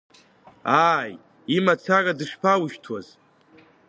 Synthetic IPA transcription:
aːj | imat͡sʰaradɨʂpʰawʊʃtʰwaz̥

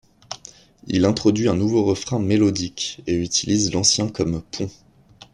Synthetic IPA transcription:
ḭlɛ̃t̪χɔd̪ɥiɛ̃nuvoʁəfχɛ̃melɔd̪ikeyt̪ʰilizlɑ̃sjɛ̃kɔmpʰɔ̃

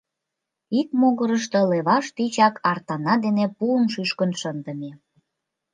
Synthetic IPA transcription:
ikmoɣəɾəʃt̪ə̆leβɑʃt̪it͡ɕɑkɑrt̪ɑnɑd̪enepuənʃyʃkənʃənd̪ə̆me

